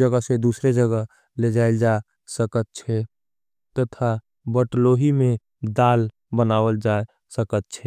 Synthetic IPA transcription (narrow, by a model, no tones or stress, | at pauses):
d͡ʒəɡəsed̪usɾed͡ʒəɡəɦ | led͡ʒaɪld͡ʒa | səkət̪̚t͡ʃʰɛ | t̪ət̪ʰa | bəʈloɦimẽ | d̪al | bənaːwəld͡ʒa | səkət̪̚t͡ʃʰɛ